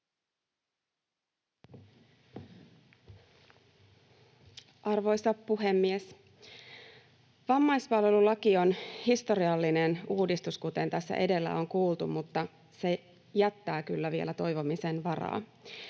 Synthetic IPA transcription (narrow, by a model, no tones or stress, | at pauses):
ʔɑrʋo̞jsɑpːuɦe̞mːies | ʋɑmːɑjspɑlʋe̞lulɑkio̞nhist̪o̞ɾiɑlːine̞nuːdist̪uskut̪e̞nt̪æsːæ̰ʔe̞de̞lːæ̰o̞ŋkuːlˠt̪ummut̪ːɑ | se̞ | jæt̪ːæːkylːæʋie̞̰læt̪o̞jʋo̞mise̞nʋɑrɑ̰ː